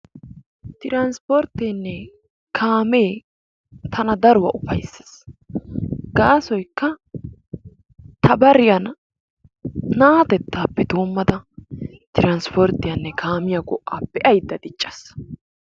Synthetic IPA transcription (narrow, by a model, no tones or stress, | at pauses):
t̪ɪɾanspɔɾt̪eːnːɛ | kʰaːmeː | t̪ʰɐnɐd̪ɐɾʊwɐ̰ʔʊfɐjsːɐ̥s | ɡ̥aːsɔjkːɐ | t̪ʰɐbɐɾɪjɐn | aːt̪ɛt̪ːaːpːɛd̪oːmːɐd̪ɐt̪ɪɾanspɔɾt̪ɪjɐnːɛkʰaːmɪjɐɡɔʔːaːpːɛʔɐjd̪ːɐd̪ɪt͡ʃʼːɐ̥s